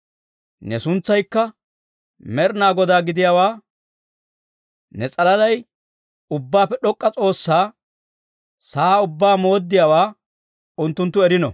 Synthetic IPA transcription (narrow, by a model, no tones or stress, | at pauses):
nɛsʊnt͡sːɐjkːɐ | mɛɾnaːɡɔd̪aːɡɪd̪ɪjawaː | nɛt͡sʼɐlɐdɐj | ʊbːaːpːɛɗɔkʼːɐt͡sʼo̞ːsːaː | saːʊbːaːmo̞ːd̪ːɪjawaː | ʊnt̪ːʊnt̪ːʊɛɾɪnɔ̰